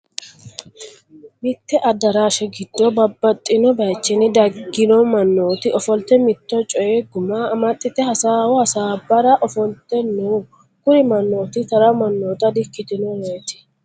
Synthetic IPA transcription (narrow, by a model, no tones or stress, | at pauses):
mɪt̪ːɛʔɐd̪ɐɾaːʃɛɡɪd̪ːɔbɐbːɐt̪ʼːɪnɔbɐjt͡ʃːɪnɪd̪ɐɡːɪnɔmɐnːoːt̪ɪʔɔfɔlt̪ːɛmɪt̪ːɔt͡ʃʼɔjeɡʊmaːmɐt̪ʼːɪt̪ɛhɐsaːwɔhɐsaːbɐɾɐʔɔfɔlt̪ːɛnːu | kʊɾɪmɐnːo̞ːt̪ɪt̪ɐɾɐmɐnːoːt̪ɐd̪ɪkːɪt̪ɪnɔwejt̪ɪ̥